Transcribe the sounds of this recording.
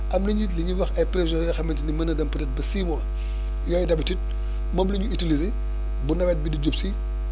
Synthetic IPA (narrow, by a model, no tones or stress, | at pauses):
ɐmniɲitliɲuwɐxɐjpɾeʃɔjɐxɐmɐntinimɐnɐdɐmpɐtɛt̚bɐsiːmɔ | jɔːjidɐbitit̚ | mɐmliɲuitilize | bunɐbɛt̚bidid͡ʒopsi